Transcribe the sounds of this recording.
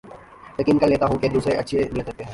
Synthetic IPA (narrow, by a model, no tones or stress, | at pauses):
jɐkiːnkɐɾleːt̪aɦũked̪uːsɾeʔɐtːʃʰeneːd̪ɐt̪eɦɛ̃ː